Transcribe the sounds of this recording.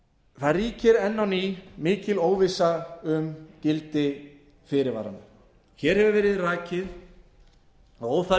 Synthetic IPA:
θaðriːcɪɾɛnːawnimɪːcɪloːwvɪsaʏmcɪlt̪ɪ | fɪɾɪɾva̰ɾa̰nʏ | çɛɾ̥hɛvʏɾvɛːɾɪðraːcɪð | aoːwfa

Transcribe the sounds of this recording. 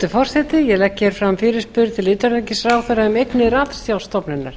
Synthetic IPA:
t̪ʏfɔr̥sɛt̪ɪjɛlɛcːɛɾ̥fɾamfɪːɾɪ̥spʏɾt̪ʰɪlʏːt̪aɾlecɪsraːwθœɾaʏmejknɪɾaːt̪sjawlst̪ɔpnɪna̰ɾ̥

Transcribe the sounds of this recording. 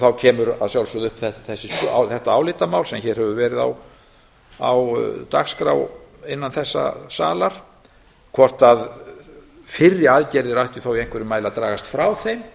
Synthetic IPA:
θawcʰɛːmʏɾa̰ðsjawlsʏðʏhpθɛθɛsːɪsθɛht̪aaːwlɪt̪amaːwlsɛmçɛɾ̥hɛvʏvɛːɾɪða̰w | a̰wt̪aɣskɾa̰wɪnːanθɛsːa̰sa̰ːlaɾ̥ | kʰvɔr̥t̪að | fɪrːɪaðcɛɾðɪɾajht̪ʏθawjejŋkvɛɾɪmaːjlaðt̪ɾaːɣast̪fɾawθejm

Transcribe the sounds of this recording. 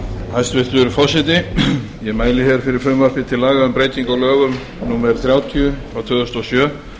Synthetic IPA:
hajst̪vɪt̪ʏɾʏfɔ̥sɛt̪ɪ | jɛmaːjlɪçɛɾfɪɾɪɾ̥fʏmvaɾ̥pɪt̪ʰɪlaːɣaðʏmpɾeːjt̪iŋkawlœːɣʏm | nuːmɛɾθɾjaːwt̪ʰiʏawt̪ʰœːðʏst̪ɔsjœː

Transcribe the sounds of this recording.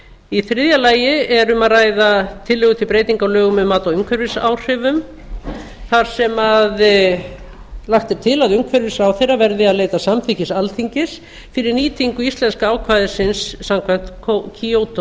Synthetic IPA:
iθɾɪðjalaːjɪɛɾʏmaðraːjðat̪ʰɪlːʏːɣʏt̪ʰɪpɾeːjt̪iŋkawlœːɣʏmʏmaːt̪aʏmkʰvɛɾvɪsa̰wr̥ɪvʏm | θaɾ̥sɛmað | laxt̪ɪɾ̥t̪ʰɪlaðʏmkʰvɛɾvɪsaːwθejravɛɾðɪaðleːjt̪asamθicɪsalt̪ʰiŋcɪs | fɪɾɪɾniːt̪ʰiŋkʏist̪lɛnskaaːwkʰvaːjðɪsɪnsːamkʰvɛm̥t̪kʰocʰiowt̪o

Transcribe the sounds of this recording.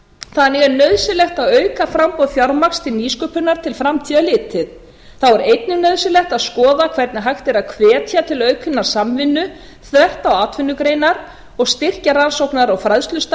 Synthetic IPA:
θanɪɣɛɾnœðsɪlɛxt̪aðœːɥkafɾampɔðθjaɾmakst̪ʰɪlniːskœːpʏnaɾ̥t̪ʰɪlfɾamt̪ʰiːðalɪːt̪ɪð | θawɛɾejt̪nʏnœɥðsɪlɛxt̪aðskɔːðakʰv̥ɛɾt̪nɪɦajxt̪ɛɾaðkʰvɛːt̪ʰjat̪ʰɪlœɥkʰʏnːaɾ̥samvɪnːʏ | θɛht̪awaːt̪vɪnːʏkɾeːjnaɾ | ɔɣst̪ɪr̥caɾansowknaɾawfɾaðst̪lʏst̪

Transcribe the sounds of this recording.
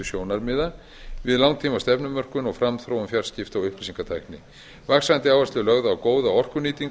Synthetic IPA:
ʏsjoːwnaɾmɪːða | vɪðlawŋt̪ʰiːmast̪ɛpnʏmːœr̥kʏnɔɣfɾamθɾowʏmfjaɾ̥scɪft̪awʏhplisiŋkat̪ʰajknɪ | vaksant̪ɪaːwvaslɛlœɣðaːwkoːwðaɔr̥kʏniːt̪iŋk

